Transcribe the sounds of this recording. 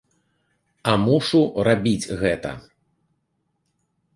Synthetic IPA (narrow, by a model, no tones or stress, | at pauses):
ɐmuʂurabʲid͡zʲɣɛt̪ɐ̰